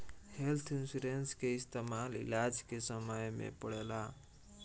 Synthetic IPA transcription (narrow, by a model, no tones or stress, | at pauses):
helt̪ʰɪnsiɾenskeɪst̪emalɪ̰lad͡ʒkesəməjmḛ̃pəɽela